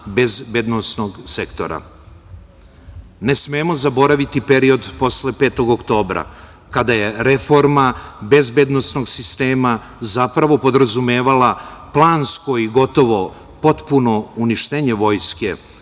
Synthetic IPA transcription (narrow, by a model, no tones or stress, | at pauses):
be̞zbed̪nosnoɡsekt̪o̞̰ɾa̰ | nesmeːmo̞zabo̞ɾaʋit̪ipe̞ɾio̞d̪po̞sle̞pe̞ːt̪o̞ɡokt̪o̞ːbɾa̰ | kad̪aje̞ɾe̞fo̞ɾmabe̞zbe̞d̪nosno̞ɡsist̪eːma | zapɾaʋo̞po̞d̪ɾazumeːʋalaplˠaːnsko̞iɡo̞t̪o̞ʋo̞ | po̞t̪puno̞uniʃt̪eɲe̞ʋo̞ːjskḛ